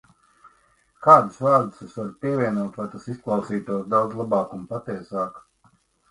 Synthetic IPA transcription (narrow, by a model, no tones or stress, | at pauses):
kaːd̪usvaːɾd̪usesvaɾpiɛvʲiɛnuɔːt̪vajt̪asisklˠɑwsiːt̪uɔsd̪awd̪zlˠabɑːkunpat̪iɛsaːk